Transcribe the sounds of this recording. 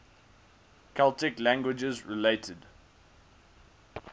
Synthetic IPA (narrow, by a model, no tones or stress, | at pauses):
kʰalˠtɪklæ̃ŋɡwɪd͡ʒəzɹɪleɪtʰəd